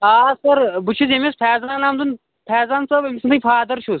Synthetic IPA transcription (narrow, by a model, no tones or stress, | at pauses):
aːsɐɾbut͡ʃʰizemʲispʰɛːzanaːmd̪un | pʰɛːzant͡sɐemʲisʰɨnt̪ɨpʰaːd̪ɐɾʃʰus